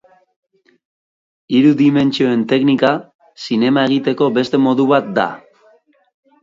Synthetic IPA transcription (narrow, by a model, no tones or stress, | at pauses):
iɾuðime̞nt͡ʃio̞e̞nt̪e̞knika | sine̞mae̞ɣ̞it̪e̞ko̞be̞st̪e̞mo̞ðuβat̪̚d̪a̰